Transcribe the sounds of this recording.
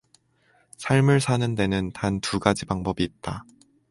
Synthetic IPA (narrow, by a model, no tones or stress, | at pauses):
sʰaɭmɯɭsʰanɯnde̞nɯntantʰuɡad͡ʑibaŋbʌbiːt̚t͈a